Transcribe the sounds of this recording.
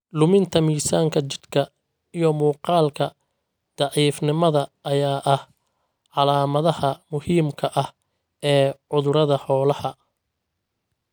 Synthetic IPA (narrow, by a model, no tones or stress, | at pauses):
lʊmɪnt̪ʰɐmiːsaːŋkʰɐt͡ʃɪ̥d̪kʰɐ | ijɔmuːqɑːlkʰɐ | d̪̥ɑʕiːfnɪmɐðɐːjaːʔɐh | ʕɑlaːmɐðɐhɐmʊhiːmkʰɐʔɐh | ɛːʕʊðʊɾɐðɐħɔːlɐhɐ